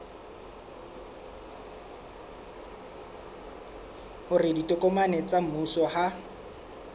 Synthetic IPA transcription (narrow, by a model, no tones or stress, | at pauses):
hʊrɪditʼɔkʼɔmanɛt͡sʼam̩usɔha